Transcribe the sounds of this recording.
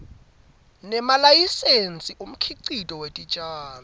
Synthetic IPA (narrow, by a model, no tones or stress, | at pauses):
nɛmalajisent͡sʼiʔum̩kʰiǀitʼɔwetʼit͡ʃʼaːm